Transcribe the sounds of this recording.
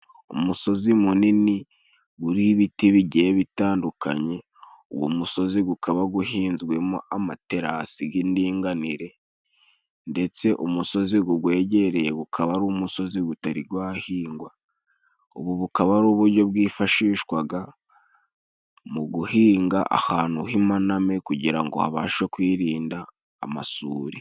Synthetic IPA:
ṵmuso̞zimunini | ɡuɾiβitiβiɟeβitaːndukʰa̰ɲe̞ | uɡwo̰muso̞ziɡukʰaβaɡuɦiːnzɡwe̞mo̰amate̞ɾasiɡindiːŋɡaniɾe̞ | nde̞t͡se̞ʔumuso̞ziɡuɡwe̞ːɟe̞ɾe̞jeɡukʰaβaɾuːmuso̞ziɡutaɾiɡwaːhiːŋɡwa | uβuβukaβaɾuːβuɾɟo̞bɡiːfaʃiːʃkwaɡa | muɡuhiːŋɡaʔa̰haːn̥huhimanamekuɟiɾa̰ŋɡo̰ha̰βaːʃwe̞kwiːɾiːnda̰ː | ma̰suːɾi

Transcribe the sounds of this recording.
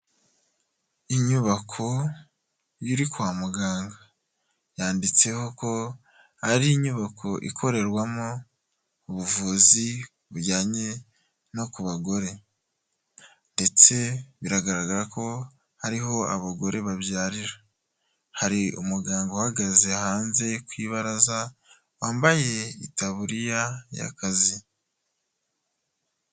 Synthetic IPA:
iɲuβakʰo̞ | juɾikwaːmuɡaːŋɡa | jaːndit͡se̞ho̞ko̞ | haɾiiɲuβakʰo̞ʔḭkʰo̞ɾe̞ɾɡwamo̞ | uβuvuːzi | βuɾɟaːɲe̞ | no̞kuβaɡo̞ɾe̞ | nde̞t͡se̞βiɾaɡaɾaɡaɾako̞ | haɾiɦo̞a̰βaɡo̞ɾe̞βaβjaːɾiɾa | haɾiumuɡaːŋɡohaɡazehaːnze̞kwiβaɾaza | waːmbaje̞itaβuɾijaja̰kazi

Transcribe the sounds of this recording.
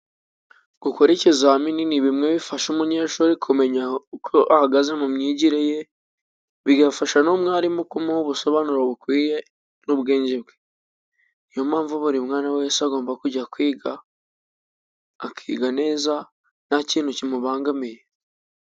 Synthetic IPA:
ɡ̥uko̞ɾe̞ce̞zamininiβimŋe̞βifaʃumuɲeːʃuɾikʰume̞ɲakʰoʔahaɡaze̞mumɲiːɟiɾeje̞ | βiɡafaʃanumŋaːɾimokumuhuβuso̞βanuɾoβukwiːje̞ | nuβɡeːɲɟibɡe | nijo̞maːɱvuβuɾimŋaːnaweesaɡo̞ːmbakuɟakwiːɡa | kʰḭːɡane̞ːza | naciːn̥hucimuβaːŋɡamije

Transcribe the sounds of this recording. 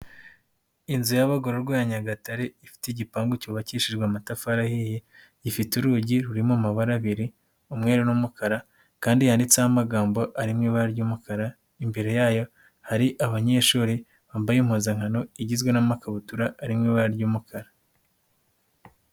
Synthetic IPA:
inzujaβaɡoɾoɾɡojaɲaɡataɾe̞ifi̥teiɟipaːŋɡucuːβaciʃiʒɡwamatafaɾahije | ɟifituɾuːɟiɾuɾimomaβaɾaβiɾi | umŋe̞ɾenumukaɾa | kaːndijaːndit͡sehamaɡaːmbo̞ʔaɾimŋiːβaɾaɾɟuːmukʰaɾa | imbeɾo̞jaːjo̞ | haɾiʔaβaɲe̞ːʃuːɾi | βaːmbajim̥hoːzaŋhano̞iɟizɡwe̞namakaβutuɾaːɾimŋiβaɾaɾɟuːmukʰaɾa

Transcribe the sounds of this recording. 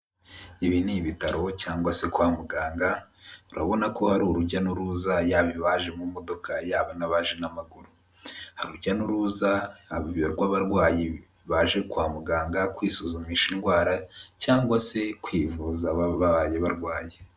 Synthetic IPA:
iβiniβitaɾo̞caːŋɡwase̞kwaːmuɡaːŋɡauɾa̰βo̞nako̞haɾuɾuɟanuɾuzajaːβiβaʒe̞mumo̞do̞kʰajaːβanaβaʒe̞namaɡuɾu | haɾuɾɟanuɾuːzaβiβjoɾɡwaβaɾɡwaːje | βaʒe̞kwaːmuɡaːŋɡakwiːsuzumiʃinɡwaːɾacaːŋɡwase̞kwiːvuzaβaβaβaːje̞βaɾɡwaːje

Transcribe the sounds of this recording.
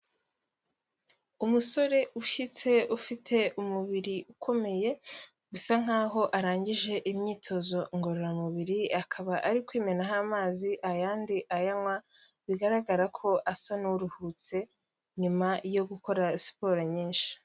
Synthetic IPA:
umuso̞ɾe̞uʃit͡se̞ufitʰe̞umuβiɾiʔukʰo̞me̞je̞ | ɡusaŋ̥aːɦo̞ʔaɾaːɲɟiʒe̞ʔimɲiːtʰo̞zo̞ŋɡo̞ɾoɾamuβiɾiakʰaβaʔaɾikwiːme̞naɦamaːziʔajaːndiʔajamwa | βiɡaɾaɡaɾakʰo̞ʔasanuɾuhut͡se̞ | ɲumajo̞ɡuko̞ɾaisi̥po̞ːɾeɲiːnʃi̥

